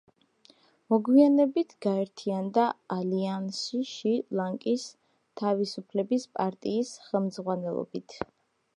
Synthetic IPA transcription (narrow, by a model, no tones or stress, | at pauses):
mɔɡwianɛbit̪ʰɡ̥aɛɾt̪ʰiand̪aːliansiʃilˠaŋkʼis | t̪ʰavisupʰlɛbispʼaɾt̪ʼiːsχɛmd̪zʁwanɛlˠɔ̰bit̪ʰ